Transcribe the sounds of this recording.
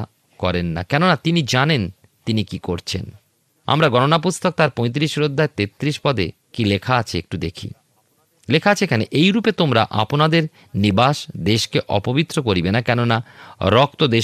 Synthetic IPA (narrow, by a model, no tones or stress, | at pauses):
a | kɔɾenːa̰kɛnonat̪inid͡ʑanen | t̪inikikoɾt͡ɕʰḛn | a̰mɾaɡɔnonapust̪ok̚t̪aɾpɔ̃j̃t̪̬ɾiʃɾod̪ʱːaet̪et̪ːɾiʃpɔd̪ḛ | kilekʰaat͡ɕʰeḛk̚ʈud̪ekʰḭ | lekʰaat͡ɕʰeekʰaneʔejɾupet̪omɾa̰ʔa̰ponad̪eɾ | nibaʃd̪eʃkeʔɔ̰pobit̪ːɾokoɾibenakɛnonaɾɔk̚t̪od̪e